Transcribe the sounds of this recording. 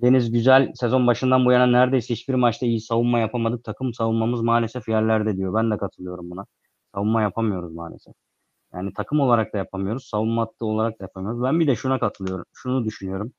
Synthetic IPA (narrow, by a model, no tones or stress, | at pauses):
d̪e̞nizɟyzælʲse̞zo̞nbaʃɯnd̪anbujananæɾd̪e̞jsɛhit͡ʃbiɾmat͡ʃt̪ʰaijisavunmajapʰamad̪ɯk̚t̪ʰakʰɯmsavunmamɯzmaːlʲe̞sɛfjɛɾlʲæɾd̪ɛd̪ijo̞bænd̪ɛkʰat̪ʰɯlˠɯjo̞ɾumbuna | savunːajapʰamɯjo̞ɾuzmaːlʲḛsɛf | ja̰ːnit̪ʰakʰɯmo̞lˠaɾak̚t̪ajapʰamɯijo̞ɾuz̥savunmat̪lˠɯo̞lˠaɾak̚t̪ajapʰamɯjo̞ɾuzbænbid̪ɛʃunakʰat̪ʰɯlˠɯjo̞ɾumʃunud̪yʃynyjo̞ɾum